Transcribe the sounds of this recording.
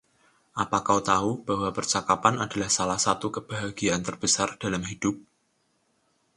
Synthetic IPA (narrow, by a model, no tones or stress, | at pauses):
ʔapakaut̪aub̥ahwabərt͡ʃakapanada̤lahsalahsat̪ukəb̥aɦaɡ̥iant̪ərb̥əsard̥alamhid̥ʊp̚